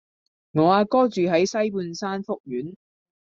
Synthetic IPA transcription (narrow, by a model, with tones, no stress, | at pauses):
ŋɔː˨˧aː˧kɔː˥t͡ʃyː˨ɦɐ˨˥jsɐ˥jp̬uː˧nsaː˥nfʊ˥k̚jyː˨˥n